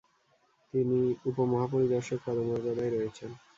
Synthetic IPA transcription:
t̪iniupomɔɦapoɾid̪aʃok̚pɔd̪omoɾɡad̪ajɾɔet͡ɕʰen

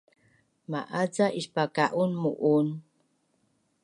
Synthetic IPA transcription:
ma̰ʔad͡zaʔispakaʔunmuʔun

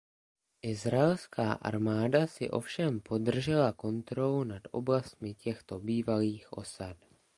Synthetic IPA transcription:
ʔɪzɾaɛlskʰaːʔa̰ɾmaːdasɪ̰ʔo̞̰fʃɛmpo̞dr̩ʒɛlako̞nt̪ɾo̞lunad̪ʔo̞̰blast̪̚mɪcɛxt̪o̞biːvaliːxʔo̞̰sat̪

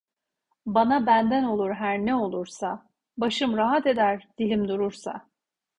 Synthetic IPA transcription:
banabænd̪æno̞lˠuɾɦæɾnɛo̞lˠuɾsa | baʃɯmɾaɦat̪e̞d̪æɾd̪̥ilʲimd̪uɾuɾsa̰

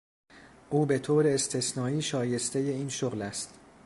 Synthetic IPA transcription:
ʔuːbe̞t̪ʰoːɾeːst̪ʰe̞snɒːiːʃɒːje̞st̪ʰe̞jeiːnʃoɣlæst̪

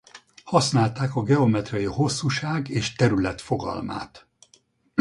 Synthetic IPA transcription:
hɒsnaːlt̪aːkɒɡɛo̞mɛt̪rɒjiho̞sːuʃaːɡeːʃt̪ɛɾylɛt̪fo̞ɡɒ̰lma̰ːt̪

